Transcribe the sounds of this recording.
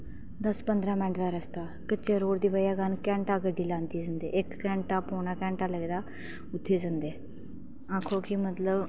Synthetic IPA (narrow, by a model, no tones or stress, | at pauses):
d̪əspənd̪ɾãːmɛ̃ːɳʈd̪aːɾəst̪aː | kəːʃeːɾoːɽd̪iːʋəjaːɡənkɛ̃ːɳʈaːɡəɖːiːlãːnd̪iːd͡ʒənd̪ḛːʔɪkːɛ̃ːɳʈaːpoːɳaːkɛ̃ːɳʈaːləɡd̪aː | ʊt̪ʰːeːd͡ʒənd̪eː | ãːkʰoːkimət̪ləb